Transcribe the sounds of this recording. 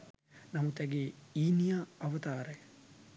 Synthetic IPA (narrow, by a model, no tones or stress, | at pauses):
nɐmut̪ɛɡeːiːnijaːɐʋɐt̪aːɾəj